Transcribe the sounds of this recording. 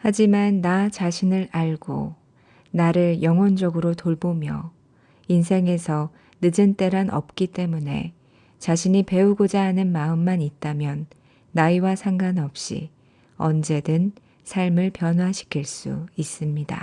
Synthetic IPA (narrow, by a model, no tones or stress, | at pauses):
had͡ʑimanːat͡ɕaɕʰinɯɾaɭɡo̰ | naɾɯɭjʌŋɦwʌnd͡ʑʌɡɯɾotoɭbomjʌ | insʰe̞ŋe̞sʰʌ | nɯd͡ʑɯnt͈e̞ɾanʔʌ̰p̚k͈it͈e̞mune̞̰ | t͡ɕaɕʰiɲipe̞uɡod͡ʑaɦːnɯnmaɯmːanit̚t͈amjʌnː | aiwasʰaŋɡanʌp̚ɕ͈ḭ | ʌnd͡ʑe̞dɯn | sʰaɭmɯɭpjʌnɦwaɕʰi̥kʰiɭs͈ṵis͈ɯmɲida̰